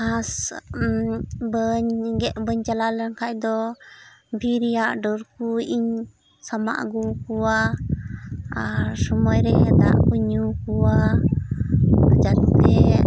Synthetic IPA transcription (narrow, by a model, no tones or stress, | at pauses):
as | bəɲɡɛʔbəɲt͡ʃalalɛnkʰac̚d̪ɔ | bʱiɾijaʔɖɔɾkuiɲ | sama̰ʔɡukuwa | aɾsɔmɔjɾɛd̪a̰ʔkuɲukuwa | d͡ʒaɾt̪ɛ